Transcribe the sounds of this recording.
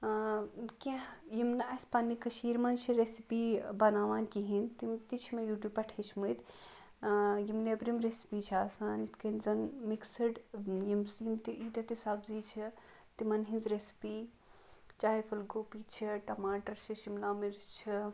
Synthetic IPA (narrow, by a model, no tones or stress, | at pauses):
kẽjimnaːspɐnːikɐʃiːɾmɐnt͡ʃʰiɾesipiːbɐnaːʋaːnkiɦint̪imt̪it͡ʃʰimejuːʈjuːbpɐʈʰet͡ʃʰmut̪ | jimnebɾimɾesi̥piːt͡ʃʰaːsaːnit̪ʰkɐnzɐnmiksɐɖjimsjimt̪iʔiːt̪ʲɐt̪isaːbziːt͡ʃʰi | t̪imɐnɦĩnzɾesi̥piː | t͡ʃaːɦifʰɐlɡoːpiːt͡ʃʰiʈɐmaːʈɐɾt͡ʃʰiʃimnaːmiɾst͡ʃʰi